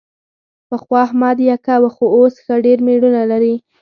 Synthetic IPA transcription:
pəxwɑhmɑd̪jakawaxoosxaɖeɾmeɽunalaɾi

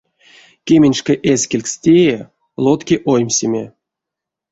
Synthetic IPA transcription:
kʲemʲenʲʂkeʔesʲkʲelʲkstʲeje | lˠot̪kʲeʔojmʲsʲemʲḛ

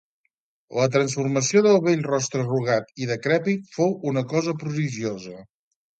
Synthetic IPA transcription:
lət̪ɾənsfurməsioðəlˠβeʎrɔst̪ɾəruɣ̞at̪iðəkɾɛpit̪fowunəkɔzəpɾuðiʒiozə

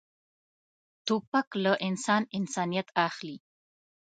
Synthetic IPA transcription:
t̪opaklaʔɪnsɑnɪnsɑnijat̪axli

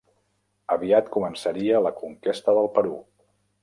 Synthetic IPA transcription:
əβiat̪kumənsəɾiələkuŋkest̪əðəlˠpəɾṵ

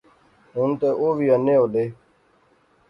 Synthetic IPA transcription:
ɦʊnt̪eːʔoːʋiːənːẽːɦoːɗ̪eː

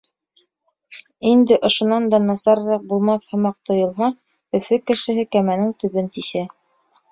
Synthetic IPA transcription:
ind̪ɘʔŏʃŏnɑnd̪ɑnɑsɑɾɾɑq̚bulˠmɑθhɤ̆mɑq̚t̪ŏjŏlˠɦɑ | ɵ̆fɵkɘ̆ʃɘ̆ɦɘkæmænɘŋt̪ɵ̆βɘnt̪iʃæ

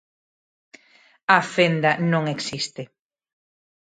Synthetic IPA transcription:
afend̪ɐnõŋeksist̪ɪ

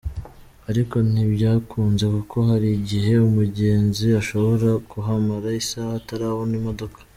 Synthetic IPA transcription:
aɾiko̞n̥ibɟaːkʰuːnze̞kukʰo̞ɦaɾiɟiɦe̞umuɟe̞ːnziaʃo̞βo̞ɾakuɦamaɾaisahataɾahonimo̞do̞kḁ

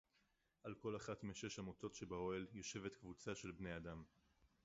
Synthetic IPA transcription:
ʔalko̞laχatmeʃe̞ʃhamoto̞tʃe̞bao̞eljo̞ʃe̞ve̞t̪kvut͡saʃe̞lbne̞adam

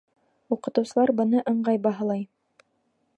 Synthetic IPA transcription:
uqɤ̆t̪ɤ̆wsɤ̆lˠɑɾbɤ̆nɤʔɤ̆ɴɢɑjbɑɦɤ̆lˠɑj

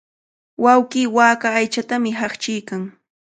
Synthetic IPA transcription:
wawkiːwaːkaːjt͡ʃat̪amɪɦaχt͡ʃɪjkaŋ

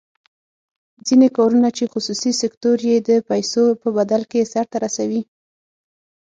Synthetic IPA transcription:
d͡zinekɑɾunat͡ʃexʊsusisɪkt̪oɾjed̪əpajsopəbad̪alkesaɾt̪aɾasawi

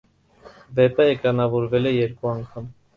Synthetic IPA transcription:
vɛp̪əɛkɑnɑvɔɾvɛlɛjɛɾkuɑŋkʰɑm

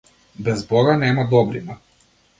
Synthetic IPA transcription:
bɛzbɔɡanɛmad̪ɔbɾina

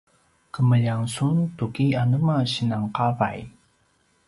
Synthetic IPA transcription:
kəməʎaŋsuntukianəmaɕinaŋqava̰j

